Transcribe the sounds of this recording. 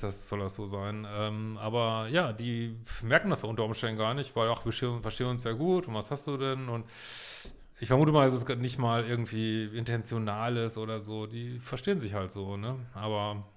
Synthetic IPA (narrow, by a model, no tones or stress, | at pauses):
d̥asz̥ɔlasz̥oːzaɪnʔɛːmʔaːbɐjaːdiːmɛɐkŋ̩dasjaʊntɐʔʊmʃtɛndn̩ɡaːɐnɪçtv̥aɪlaxv̥iːɐʃteːənfɛɐʃteːənʊnsz̥eːɐɡuːtʊntv̥ashastd̥uːdɛnʊnt | ʔɪçfɛɐmuːtəmaːldas̬ɛsnɪçtmaːlʔɪɐɡŋ̩tv̥iːɪntʰɛnt͡sjonaːlɪsʔoːdɐzoːdiːfɛɐʃteːənzɪçhaltz̥oːnəʔaːbɐ